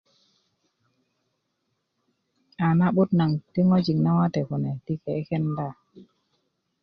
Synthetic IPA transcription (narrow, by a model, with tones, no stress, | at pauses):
a˨na˦ɓu˦tna˨ŋti˦ŋo˦d͡ʒi˨ŋna˦wa˦tɛ˨ku˨nɛ˨ti˦ke˨e˦kɛ˦nda˦˨